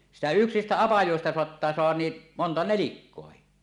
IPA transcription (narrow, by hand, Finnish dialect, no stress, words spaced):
sitæ yksistæ ɑpɑjoˑestɑ soɑtːɑː soɑhɑn niː montɑ nelikːoɑhi